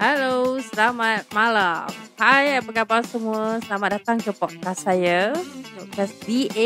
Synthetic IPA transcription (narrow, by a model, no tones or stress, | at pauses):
halosəlamat̪̚malamhajapəkapalsəmuəsəlamat̪̚dat̪aŋkəpɔt̪̚kasːajapɔt̪̚kasdie